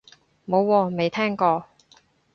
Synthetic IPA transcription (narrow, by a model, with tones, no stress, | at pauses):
mo˨˧wːɔː˧me˨˧jt̪ʰɛː˥ŋkɔː˧